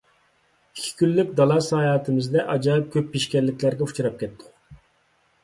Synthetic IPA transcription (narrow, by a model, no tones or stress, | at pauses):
i̥kʲʰːi̥kʲylːykʲd̪ɑlˠɑsɑjɑːt̪ʰɨmɪzd̪ɛʔɑd͡ʒɑp̚kʲʰøpːiʃkʲɛlːɪkʲlæɾɡʲɛut͡ʃʰuɾɑp̚kʲɛt̪ʰːʊ̥q